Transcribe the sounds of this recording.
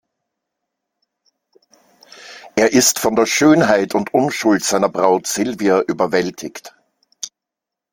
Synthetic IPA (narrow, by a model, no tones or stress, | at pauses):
ʔeːɐʔɪstfɔndeːɐʃøːnɦaɪtʊntʔʊnʃʊltz̥aɪnɐbʁaʊtz̥ɪlviɐʔyːbɐvɛltʰɪçt